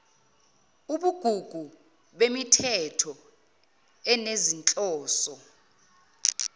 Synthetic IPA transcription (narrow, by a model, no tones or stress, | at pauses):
uɓuɡ̥ʱuɡ̥ʱu | ɓemitʰɛtʰɔ | ɛnezint͡ɬʼɔːsɔ